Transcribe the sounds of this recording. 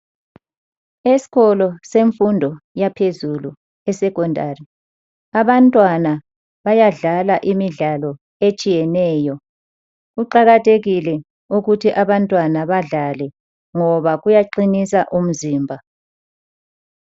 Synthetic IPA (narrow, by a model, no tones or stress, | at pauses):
esi̥ɣɔlɔseɱfundʱɔjapʰezulu | ɛsɛkʼɔndʱari | aβantʼwana | βajaɮalaʔimiɮalɔ | et͡ʃʼijɛnɛːjɔ | uǃaɣatʰeɣilɛ | uɣutʰiʔaβantʼwanaβaɮalɛ | ŋɔβaɣujaǃinisaʔum̩ziːmbʱa